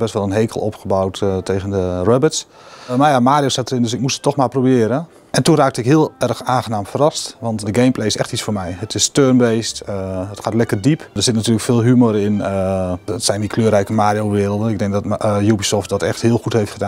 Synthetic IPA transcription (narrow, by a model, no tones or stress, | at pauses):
bɛstʋɛlˠənɦejkəlˠɔ̰pχəbawttʰejɣəndərɔbɪts | marjamaːdjostatərɪndøsɪkmusə̥tːɔxmaːrprobɪəɾən | ʔɛntunraːk̚təɪkɦɪəlˠɛrxaːxənaːmfərɑstʋɑntdəɡejmplejɪsɛ̰xtit͡sfoːrmɛjɦətɪstørmbejstətχxaːtlɛkərdipdərsɪtnatyːrləkfɪːlˠɦymoɾɪnətsɛjndikʰløːrɛjkəmaːdijowʋɪːrəlˠdənɪɡ̚dɛŋk̚dɔtjubisɔft̚dɔtɛ̰xthɪəlˠxutɦejftχədaːn